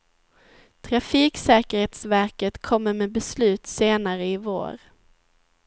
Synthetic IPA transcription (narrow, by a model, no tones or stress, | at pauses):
t̪ʰɾafiːksɛːkəɾheːt̪svæɾkət̪kʰɔmːəɾmɛbɛslʉ̟ːt̪seːnaɾəɪvo̰ːɾ